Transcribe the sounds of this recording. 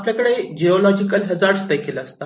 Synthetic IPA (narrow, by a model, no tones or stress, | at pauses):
pljakəɽed͡ʑeɔlɔd͡ʑikəlɦəd͡zaɽst̪əjkelaəst̪a